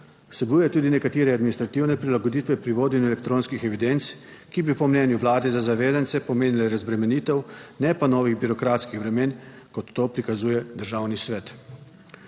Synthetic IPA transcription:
wsɛbujɛt̪uːd̪inɛkat̪eːɾɛad̪minist̪ɾat̪iwnɛpɾilaɡod̪it̪ʋɛpɾiʋoːd̪ɛnjuɛlɛk̚t̪ɾoːnskixɛʋid̪ent̪s | kibipɔmnɛːnjuʋlaːd̪ɛzazaʋeːzant̪sɛpɔmeːnilɛɾazbɾɛmɛnit̪ɛwnɛpanɔːʋiɣbiɾɔkɾaːt̪skixbɾɛmeːn | kɔt̪ːoːpɾikazuːjɛd̪əɾʒaːwnisʋɛːt̪

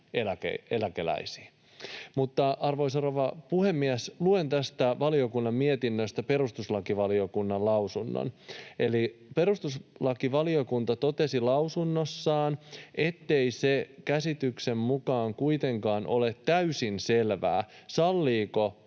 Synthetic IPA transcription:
elækḛelækelæ̰isi̥ː | mut̪ːɑʔɑrʋoisoroʋɑpuhemːiæslue̞nt̪æst̪æʋɑlio̞kunːɑmmiet̪inːøst̪æpe̞ɾust̪uslɑkiʋɑliokunːɑlɑusunːo̰nelipe̞ɾust̪uslɑkiʋɑliokunt̪ɑt̪o̞t̪e̞silɑusunːosːɑːnʔe̞t̪ːe̞isekæsit̪yksemmukɑːŋkuit̪e̞ŋkɑːnʔo̞le̞t̪tæysinselʋæ̰ːsɑlːiːko̞

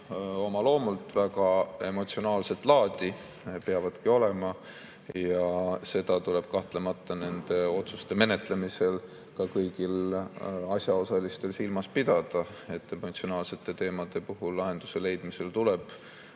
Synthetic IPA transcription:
o̞mɑlo̞ːmult̪ːˑvæɡɑe̞mo̞t̪sio̞nɑːlse̞t̪ːˑlɑːd̪̥ʲi | peɑvɑd̪̥kio̞le̞mɑ | jɑse̞d̪̥ɑt̪ule̞b̥̚kɑht̪le̞mɑt̪ːˑɑne̞nd̪̥e̞o̞t̪sust̪e̞me̞ne̞t̪le̞mise̞l | kɑkɤjɡ̥il | ɑsʲjɑo̞sɑlist̪e̞lsilmɑspid̪̥ɑd̪̥ɑ | e̞t̪ːemot̪sio̞nɑːlse̞t̪ːˑe̞t̪e̞ːmɑd̪̥e̞puɦulːɑɦe̞nd̪̥u̥se̞le̞jd̪mise̞lt̪ule̞b̥

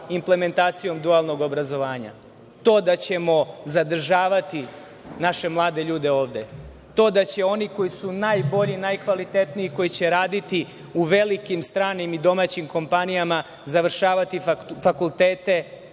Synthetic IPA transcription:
imple̞me̞nt̪aːt̪sijo̞md̪ualˠno̞ɡo̞bɾazo̞ʋaːɲa̰ | t̪o̞ːd̪at͡ɕe̞mo̞zad̪r̩ʒaːʋat̪i | naʃe̞mlˠaːd̪e̞ʎuːd̪e̞o̞ːʋd̪e̞ | t̪o̞ːd̪at͡ɕe̞o̞niko̞jisunajbo̞ʎinajkʋalit̪e̞t̪niiko̞jit͡ɕe̞ɾaːd̪it̪i | uʋe̞likimst̪ɾaːnimid̪o̞mat͡ɕimko̞mpanijama | zaʋr̩ʃaːʋat̪ifakulˠt̪eːt̪e̞

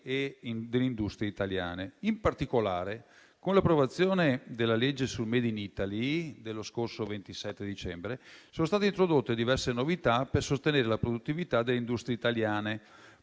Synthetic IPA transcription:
ed̪elːeind̪ust̪ɾieit̪alja̰ːneimpart̪ikolaːɾe | konlapːɾovat̪sːjoːned̪elːaled͡ʒːesulmeːd̪init̪alid̪elːoskorsovent̪isɛt̪ːed̪it͡ʃɛmbɾesoːnost̪aːt̪eint̪ɾod̪ot̪ːed̪ivɛrsenovit̪apersost̪eneːɾelapɾod̪ut̪ːivit̪ad̪elːeind̪ust̪ɾieit̪aljaːne

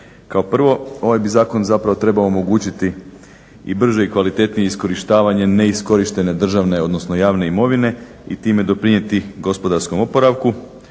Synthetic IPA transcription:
kao̞pr̩ʋo̞o̞ʋajbizaːko̞nzapɾaʋot̪ɾe̞baoːmo̞ɡuːt͡ɕit̪i | ḭbr̩ʒeikʋalit̪e̞t̪nije̞isko̞ɾiʃt̪aːʋaɲe̞ne̞isko̞ɾiʃt̪e̞ne̞d̪r̩ʒaʋne̞o̞d̪no̞sno̞jaːʋne̞imo̞ʋine̞ | ḭt̪iːme̞d̪o̞pɾiɲe̞t̪iɡo̞spo̞d̪aɾsko̞mo̞po̞ɾaʋku

